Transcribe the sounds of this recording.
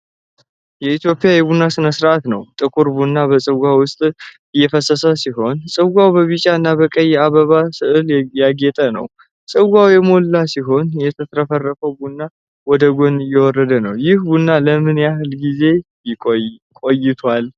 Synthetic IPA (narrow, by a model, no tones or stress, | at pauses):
jɛit̪ʰjo̞pʼjajɛβunːasɨnəsɾʔat̪nə̰wt̪ʼɨkʼuɾbunːabəsʼɨɡʷawʊst̪ʼ | ɨjːɛfəsəsəsiɦo̞nsʼɨɡʷawbəβit͡ʃʼaɨnːabəkʼəjːɛaβəβasɨʔɨljaɡet̪ʼənə̰w | sʼɨɡʷawjɛmo̞lːasiɦo̞njɛt̪ʰət̪ʰɾəfərːəfəwbunːa | wɔd̪əɡo̞nɨjːɛwɔɾːəd̪ənəwjɪhbunːaləmɨnjahɨlɡize̞ | kʼo̞jɪt̪ʰwal